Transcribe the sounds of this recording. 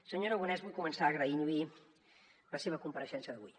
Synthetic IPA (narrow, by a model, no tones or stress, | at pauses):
səɲoɾəɣunɛzβɔjkumənsaːɣɾəiʎui | ləseβ̞əkumpəɾəʃɛnsjəðəβṵj